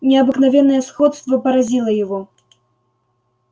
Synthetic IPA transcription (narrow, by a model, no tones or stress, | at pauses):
nʲɛɐbɨknavʲɛnːɐjɛsxɔt̪st̪vɐpɐɾazʲilˠɐjaɣɔ